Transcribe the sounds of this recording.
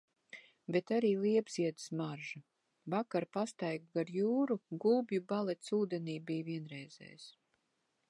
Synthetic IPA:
bet̪aɾiːlˠiɛbz̥iɛd̪ɨsmaɾʒa | vakaɾpast̪ajɡɡaɾjuːɾuɡuːbjubalˠɛt̪suːd̪eniːbijviɛnɾɛjzɛ̰js

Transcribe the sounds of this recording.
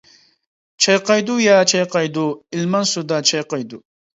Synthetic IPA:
t͡ʃʰɐjqɑjd̪ujaːt͡ʃʰɐjqɑjd̪uilmɐnsud̪at͡ʃʰɐjqɑjd̪u

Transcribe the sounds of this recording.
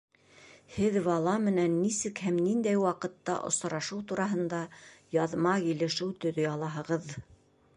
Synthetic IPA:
hɘðvɑlˠɑmɘ̆nænːisɘkhæmnind̪æjwɑqɤ̆t̪ːɑ̰ʔŏ̰sɾɑʃɤwt̪uɾɑɦɤ̆nd̪ɑjɑðmɑkilɘ̆ʃuw̪ˠt̪ɵ̆ðɵɑlˠɑɦɤ̆ʁɤð

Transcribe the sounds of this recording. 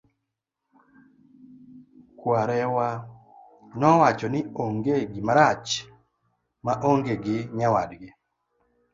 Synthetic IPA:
kwaɾɛwa | nɔwat͡ʃɔnɪoŋɡeɡɪmaɾat͡ʃ | maʔoŋɡeɡɪɲawadɡɪ

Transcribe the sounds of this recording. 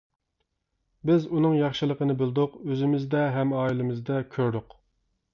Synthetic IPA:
bɪzunɨŋjɑχʃɨlˠəqənɨbɪlˠd̪ʊqøzɪmɪzd̪ɛɦɛmɑːilɪmɪzd̪ɛkʲʰøɾd̪ʊq

